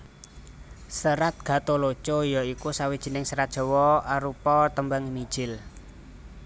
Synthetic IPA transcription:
səɾat̪̚ɡ̥a̤t̪olot͡ʃojɔikusawid̥ʒ̥i̤nɪŋsəɾat̪̚ʒ̥ɔ̤wɔaɾupɔt̪əmbaŋimid̥ʒ̥ɪl

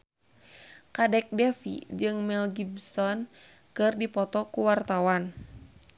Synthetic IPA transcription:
kadɛk̚dɛfḭd͡ʒɨŋmɛlɡibsɔn | kɨrdipɔt̪ɔkuwart̪awan

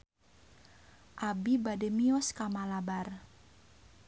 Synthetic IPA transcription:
ʔabibadɛmiɔskamalabar

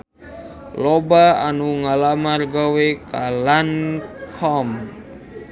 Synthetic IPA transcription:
lobaanuŋalamarɡawekalankʰɔm

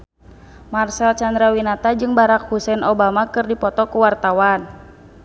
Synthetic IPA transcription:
marsalt͡ʃand̪ɾawinat̪ad͡ʒɨŋbaɾak̚husɛnɔbamakɨrdipɔt̪ɔkuwart̪awan

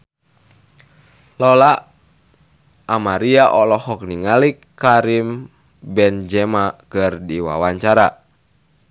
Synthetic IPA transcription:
lɔla | amaɾiaʔɔlɔhɔk̚niŋalikːaɾim | bɛnd͡ʒɛmakɨrdiwa̰waɲt͡ʃaɾa

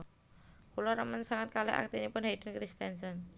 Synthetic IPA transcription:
kulɔɾəmənsaŋat̪̚kalɛ̰ʔa̰k̚t̪inipʊnhaid̥ənkɾist̪ɛnsɔn

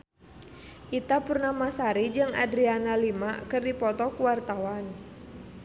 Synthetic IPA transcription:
ʔit̪apurnamasaɾid͡ʒɨŋa̰dɾianalimaʔkɨrdipɔt̪ɔkuwart̪awan

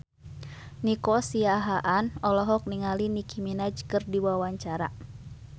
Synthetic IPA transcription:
nikɔsiaɦaʔanɔlɔɦɔk̚niŋalinikʰiminad͡ʒkɨrdiwawaɲt͡ʃaɾa̰

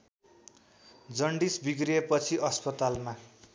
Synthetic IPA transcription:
d͡zʌɳɖisbiɡriepʌt͡sʰiʔʌspʌt̪alma

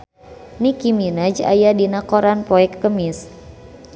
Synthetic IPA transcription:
nikiminad͡ʒa̰jadinakoɾanpɔɛkːəmis

